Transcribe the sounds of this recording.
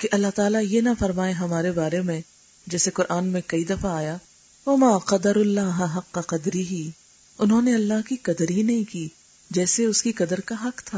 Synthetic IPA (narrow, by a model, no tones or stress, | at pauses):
keʔɐlːaɦt̪aːlajenɐfɐɾmaːeɦɐmaːɾebaːɾemẽ | d͡ʒɛːseqʊɾʔaːnmẽkɐid̪ɐfaaːja | wɐmaːqɐd̪ɐɾʊlːaːɦɐɦɐqːɐqɐd̪ɾiɦi | ʊnɦõneɐlːaɦkiqɐd̪əɾɦinɐɦĩkiː | d͡ʒɛːseʊskiqɐd̪əɾkaɦɐqt̪ʰaː